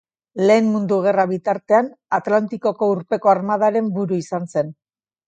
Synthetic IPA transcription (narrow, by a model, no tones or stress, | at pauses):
le̞ːmmund̪uɣ̞e̞raβit̪aɾt̪e̞an | at̪lant̪iko̞ko̞uɾpe̞ko̞armað̞aɾe̞mbuɾuisanse̞n